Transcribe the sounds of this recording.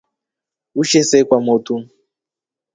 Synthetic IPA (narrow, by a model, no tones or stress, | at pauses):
uʃesekwamotu